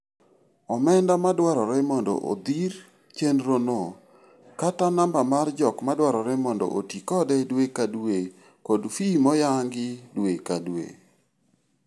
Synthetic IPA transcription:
ɔmɛndamadwaɾɔɾɛmɔndɔ̰ʔo̰d̪ir | t͡ʃenɾono | katanambamard͡ʒɔkmadwaɾɔɾɛmɔndɔ̰ʔotikɔdɛdwekadwe | kodfimɔjaŋɡɪdwekadwḛ

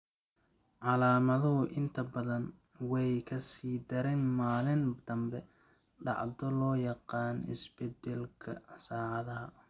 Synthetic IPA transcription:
ʕɑlaːmɐðɐɦʊʔɪnt̪ʰɐbɐðɐn | wɛjkʰɐsiːd̪ɐɾɛnmaːlɪnd̪̥ɐmbɛ | ɖɑ̰ʕd̪ɔlɔːjɑqɑːnɪ̰sbɛd̪ɛlkʰɐsaːʕɑðɐɦɐ

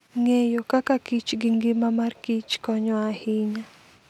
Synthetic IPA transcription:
ŋejokakakit͡ʃɡɪŋɡɪmamarkit͡ʃkɔɲɔahiɲa

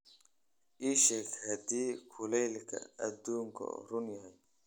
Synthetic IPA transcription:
ʔiʃɐkhɐd̪iːkʰʊlɛjlkʰɐ̰ɐd̪uːŋkʰɔ̰rʊnjɐɦɛj

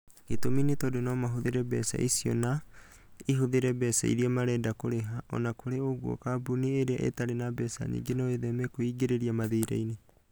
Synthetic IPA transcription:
etominetɔdonɔmaɦoðeɾɛbɛ̰sa̰ʔisiɔ̰na | iɦoðeɾɛbɛsa̰ḭɾiɛmaɾɛdakoɾeɦaʔɔ̰nakoɾeoɣwɔ̰kabunieɾeaʔḛtaɾenabɛsa̰ɲḭɡenaeðɛmɛkoiɡeɾeɾiamaðeiɾa̰ine

